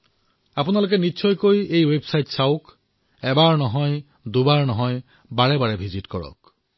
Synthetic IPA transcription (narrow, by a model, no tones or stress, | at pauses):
apunalok̬ɛnisʰɔjkojejwebsajtsaʊk | ɛbaɹnɔɦɔj | d̪ubaɹnɔɦɔj | baɹɛbaɹɛbʱizitkɔɹɔ̰k